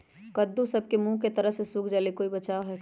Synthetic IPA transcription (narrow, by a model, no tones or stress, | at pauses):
kɐd̪ːũsɐb̚kemũket̪ɐɾəɦsesuːkʰd͡ʒalikoːibɐt͡ʃaːoɦɛ